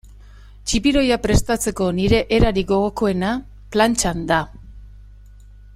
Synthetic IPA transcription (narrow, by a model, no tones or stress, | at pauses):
t͡ʃipiɾo̞japɾe̞st̪at͡se̞ko̞niɾe̞ʔeɾaɾiɡo̞ɣoko̞e̞na | plant͡ʃand̪a